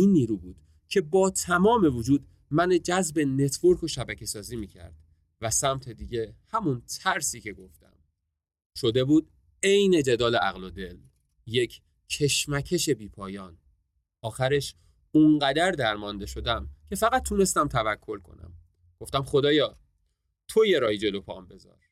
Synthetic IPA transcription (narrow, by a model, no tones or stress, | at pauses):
inːiːɾuːbuːd̪̥ | cʰe̞bɒːt̪ʰæmɒːme̞vod͡ʒuːd̪ | mæned͡ʒæzbe̞ne̞t̪ʰvoɾkʰo̞ʃæbæcʰe̞sɒːziːmiːcʰæ̰ɾd̪̥ | væsæmt̪ʰe̞d̪iːɟe̞hæmunt̪ʰæɾsiːce̞ɡo̞ft̪æ̰m | ʃod̪e̞buːd̪̥̚ | e̞jne̞d͡ʒe̞d̪ɒːleʔæ̰ɣlod̪e̞l | je̞cʰ | cʰːe̞ʃmæcʰe̞ʃe̞biːpʰɒːjɒːn | ɒːxæɾe̞ʃ | unɢæd̪æɾd̪æɾmɒnd̪e̞ʃo̞d̪æmcʰe̞fæɣæt̪̚ʰːune̞st̪æmt̪ʰævækʰːo̞lkʰo̞̰næ̰m | ɡ̥o̞ft̪æmxo̞d̪ɒːjɒː | t̪ʰo̞jeɾɒːhid͡ʒe̞lo̞pʰɒ̰ːmbe̞zɒ̰ːɾ